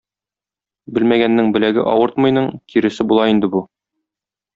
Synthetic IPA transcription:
bɘlmæɡænːɘŋbɘ̆læɡɘ̰ʔɒwɤɾt̪mɤ̆jnɤɴkiɾɘ̆sɘbulˠɑind̪ɘbu

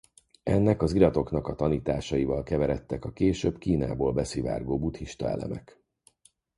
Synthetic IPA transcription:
ɛnːɛkɒziɾɒt̪o̞knɒkɒt̪ɒniːt̪aːʃɒjivɒlkɛvɛɾɛt̪ːɛkɒkeːʃøːbkiːna̰ːboːlbɛsiva̰ːrɡoːbuːt̪hiʃt̪ɒɛ̰lɛ̰mɛk

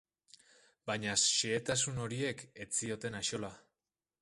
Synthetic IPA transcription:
bajɲasʃeːt̪asuno̞ɾie̞ke̞t͡sio̞t̪e̞naʃo̞la

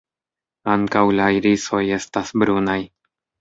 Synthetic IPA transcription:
aŋkawlaiɾiso̞je̞stasbɾunaj

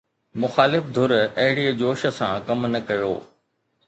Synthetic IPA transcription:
mʊxaːlɪfd̪ʱʊɾɐɦɪɽid͡ʑoːʃə̆sãkɐmnɐkɐjo̰ː

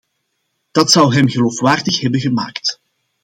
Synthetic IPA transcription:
d̥ɑtsʌwɦɛmɣəloːfʋaːrdəχɦɛbənɣəma̰ːkt

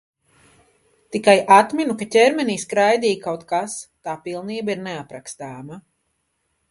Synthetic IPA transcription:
t̪ikajʔat̪mʲinukatʲɛɾmʲɛniːskɾajd̪iːkawt̪kast̪aːpilˠniːbaiɾneapɾakst̪aːma

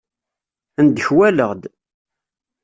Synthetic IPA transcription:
nd̪əçwæləʁd̪

